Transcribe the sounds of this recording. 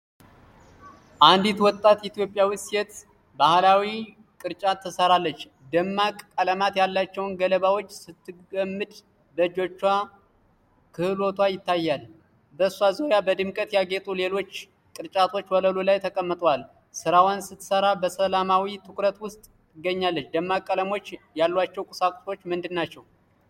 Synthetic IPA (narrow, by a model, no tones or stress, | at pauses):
ʔand̪it̪wɔt̪ʼːat̪jit̪jo̞pʼjawɨsɛt̪ | bahlawi | kʼɨɾt͡ʃʼat̪ʰːəsəɾalːət͡ʃː | d̪əmːakʼkʼaləmat̪jalːat͡ʃːɛwnɡələβawo̞t͡ʃːsɨt̪ːɨɡəmːɨd̪ | b̪əd͡ʒo̞t͡ʃːwa | kʰɨhɨlo̞t̪ʰwajɪt̪ʰːajːal | bəsazojabəd̪ɨmkʼət̪jaɡet̪ʼule̞lo̞t͡ʃː | kʼɨɾt͡ʃʼat̪ʰo̞t͡ʃːwələlulajt̪ʰəkʼəmːɨt̪ʼwal | sɨɾawansɨt̪ːsəɾabəsəlamawit̪ʰɨkɾət̪wʊst̪ʼ | ɨɡəɲːalːət͡ʃːd̪əmːakʼːələmo̞t͡ʃːjalːwat͡ʃːɛwkʼʊsakʼso̞t͡ʃːmɨnd̪ɨnːat͡ʃːɛw